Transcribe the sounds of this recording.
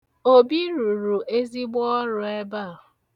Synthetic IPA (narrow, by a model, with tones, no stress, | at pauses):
o˦bi˦ɾu˨ɾu˨ʔe˦zi˦ɡ͡bɔ˦ɾʊ˨e˦ba˦˨